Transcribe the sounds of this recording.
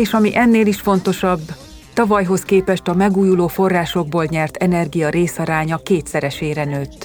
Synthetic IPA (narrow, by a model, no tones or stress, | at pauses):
eːʃɒmiʔɛnːeːliʃfo̞n̪t̪o̞ʃɒbː | t̪ɒvɒjɦo̞skeːpɛʃt̪ɒmɛɡuːjuloːfo̞rːaːʃo̞ɡ̚boːlɲɛrt̪ʰɛnɛrɡijɒɾeːsɒɾaːɲɒkeːt̪sɛɾɛʃeːɾɛnøːt̪ː